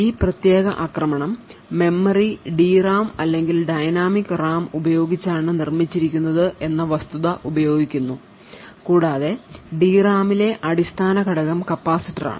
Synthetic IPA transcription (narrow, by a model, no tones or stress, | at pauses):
iːprɐt̪je̞ːɣɐ̰ʔaːkrɐmɐɳɐmːe̞mːɐriɖiːraːmɐlːe̞ŋɡilɖɐjnaːmikːraːmubɐjo̞ːɡit͡ɕːaːɳɨnirmit͡ɕːiɾikʲːunːɐðɨʔe̞nːɐʋɐst̪uðɐʔubɐjo̞ːɡikʲːunːu | kuːɽaːðe̞ɖiːraːmile̞ʔɐɽist̪ʰaːnɐkɐɽɐɣɐmkɐpːaːsiʈːɐra̰ːɳɨ